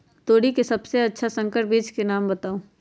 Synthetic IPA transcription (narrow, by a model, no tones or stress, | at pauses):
t̪oːɽikesɐbseɐtːʃʰasɐ̃ŋkəʈ̚biːd͡ʒkenaːmbɐt̪aːũː